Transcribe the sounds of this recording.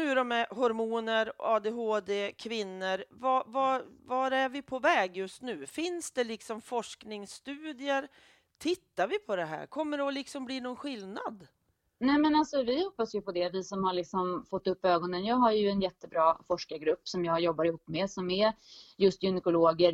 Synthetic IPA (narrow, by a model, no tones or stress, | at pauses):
nʉ̟ːɾɔmɛɦɔɾmuːnəɾɑːd̪eɦoːd̪eːkʰvɪnːəɾvavavaɾæɾvɪpʰɔvɛːɡjɵst̪nʉ̟ːfɪnsd̪ɛlɪksɔmfɔʂknɪŋst̪ʉ̟ːd̪ɪəɾ | t̪ʰɪt̪ːaɾvɪpʰɔd̪ɛɦæ̰ːɾkʰɔmːəɖɔlɪksɔmbliːnɔnɧɪlnad̪ | nɛmɛnalsɔvɪhɔpːasjɵpʰɔd̪ɛvɪsɔmhaɭɪksɔmfɔt̪ːɵpːøːɡɔnənjɑːɡɦaɾjɵɛnjɛt̪ːəbɾɑːfɔʂkaɡɾɵpːsɔmjɑːɡjɔbːaɾɪhuːpːmɛsɔmɛjɵst̪jʏnɛkʊloːɡəɾ